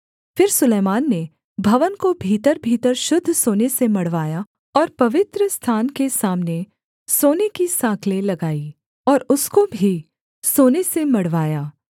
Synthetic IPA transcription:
fɪɾsʊleːmaːnːe | bʱɐʋənkobʱiːt̪əɾbʱiːt̪əɾʃʊd̪ʱːsoːnesemɐɽ̤ʋaːja | ɔːɾpɐʋɪt̪ɾəst̪ʰaːnkesaːmne | soːnekisãːkʰlẽlɐɡaːi | ɔːɾʊskobʱi | soːnesemɐɽʋaːjaː

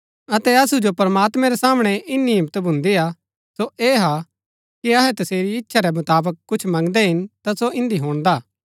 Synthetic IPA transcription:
ɐt̪ɛɐsud͡ʒopɐɾɐmaːt̪mɛ̃ɾɛsaːmɽ̃ɛʔɪnːiɪmt̪bʱʊ̃nd̪ia | soeːɦa | kiɐɦɛt̪ɐseːɾiɪtːʃʰaɾɛmɐt̪aːbəkːʊt͡ʃʰmɐ̃ŋɡd̪ɛɦɪnt̪asoʔɪ̃nd̪iɦoːɽ̃d̪aː

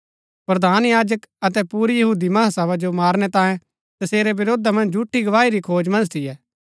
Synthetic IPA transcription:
pɾɐd̪ʱaːnjaːd͡ʒəkɐt̪ɛpuːɾjɐɦuːd̪imɐɦasɛʋad͡ʒomaːɾnɛt̪ãːjẽ | t̪ɐseːɾɛbɪɾoːd̪amɐ̃nd͡ʒd͡ʒʱuʈʰːiɡɐʋaːiɾikʰoːd͡ʒmɐ̃nd͡ʒt̪ʰɪjɛː

